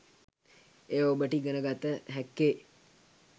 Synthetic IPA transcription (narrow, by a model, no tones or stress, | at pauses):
eːobəʈiɡənəɡat̪ːəɦɛkːe